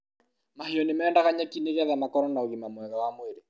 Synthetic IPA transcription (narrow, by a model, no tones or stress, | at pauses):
maheɔnemɛːndaɣaɲakineɣɛðamakɔɾɔnaoɣimamwɛɣawamweɾe